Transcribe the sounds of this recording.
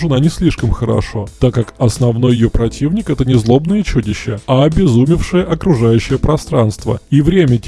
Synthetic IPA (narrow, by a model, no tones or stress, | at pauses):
ʐɨnanʲɪsʲlʲiʂkəmxəɾɐ̰ʂot̪akːakɐsnɐvn̪o̞jɪjopɾɐtʲivnʲɪkɛt̪ənʲɪzlˠo̞bnəjət͡ɕudʲɪɕːəɐɐbʲɪzumʲɪfʂɨjəʔɐkɾʊʐajʉɕːɪjəpɾɐst̪ɾanst̪və̰ivɾʲemʲətʲ